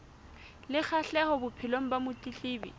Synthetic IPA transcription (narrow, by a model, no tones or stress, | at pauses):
lɪk͡xʰaɬɛhɔbʊpʰɪloŋ̩bamʊt͡ɬʼit͡ɬiːbḭ